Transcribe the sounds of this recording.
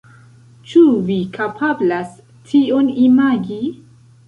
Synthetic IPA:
t͡ʃuvikʰapʰablas | tʰionimaɡi

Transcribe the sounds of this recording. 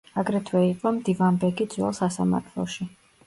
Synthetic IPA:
aɡɾɛt̪ʰwɛiqʼɔmd̪ivanbɛɡid̪z̥ʼwɛ̰lˠsasa̰ma̰ɾt̪ʰlˠɔ̰ʃi

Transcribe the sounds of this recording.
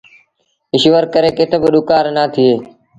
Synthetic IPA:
ɪʃʋəɾkəɾeːkɪt̪ʰəbəɗʊkaːɾnaːt̪ʰɪeː

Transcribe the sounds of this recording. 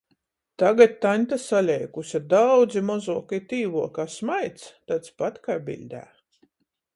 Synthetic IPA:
t̪aɡat̪̚ʲt̪anʲt̪asalʲɛjkusʲad̪awd̪zimɔzuɔkit̪ʲiːvuɔkaːsmajt̪st̪at̪spat̪kaːbʲḭlʲd̪ʲæ̰ː

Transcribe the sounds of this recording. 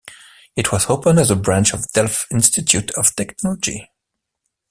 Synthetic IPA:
ɨt̚ʰwʌz̥oʊpə̃ndɨzəbɹæ̃nt͡ʃʌvdɛlˠfɪ̃nstɨtʰjʉtʰʌv̥tʰɛknɑlˠəd͡ʒḭ

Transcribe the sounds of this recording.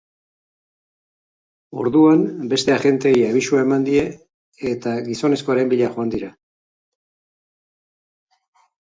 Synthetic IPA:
o̞̰ɾðuambe̞st̪e̞aʝe̞nt̪e̞jaβisuae̞mand̪ie̞ː | t̪aɡiso̞ne̞sko̞aɾe̞mbiʎaxo̞and̪iɾa

